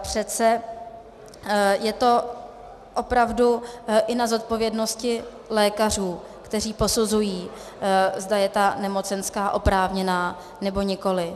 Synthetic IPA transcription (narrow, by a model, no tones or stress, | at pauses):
pr̝̥ɛt̪t͡sɛ | jɛt̪o̞ | ʔo̞pɾavduʔɪnazo̞t̪̚po̞vjɛdno̞scɪ | lɛːkar̝uː | kt̪ɛriːpo̞suzujiː | zdajɛt̪anɛmo̞t͡sɛnskaːʔo̞pɾaːvɲɛnaː | nɛbo̞ɲɪko̞lɪ